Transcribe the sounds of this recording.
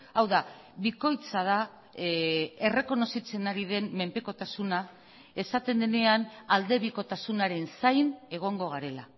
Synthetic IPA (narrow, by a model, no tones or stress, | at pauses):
awða | βiko̞jt͡sað̞a | e̞re̞ko̞no̞sit͡se̞naɾiðe̞nme̞mpe̞ko̞t̪asuna | e̞sat̪e̞nd̪e̞ne̞anald̪e̞βiko̞t̪asunaɾe̞nsajne̞ɣ̞o̞ŋɡo̞ɣaɾe̞la